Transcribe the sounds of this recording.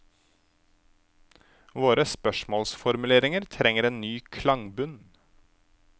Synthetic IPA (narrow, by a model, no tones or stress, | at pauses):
ʋoːɾəspœʃmoːlsfɔɾmʉleːɾɪŋəɾt̪ʰɾɛŋəɾeːnnyːkʰlɑŋbʉn